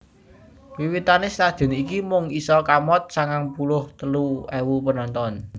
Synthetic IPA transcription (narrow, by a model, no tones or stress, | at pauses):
wiwit̪anɪslad̥ʒ̥ɛ̤nikimʊŋisɔkamɔt̪̚saŋaŋpulʊht̪əluɛwupənɔnt̪ɔn